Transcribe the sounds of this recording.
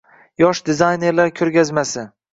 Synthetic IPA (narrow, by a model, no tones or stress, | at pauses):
jɒʃd̪ɪzajne̞ɾlaɾkʲʰɵɾɡʲazmasɪ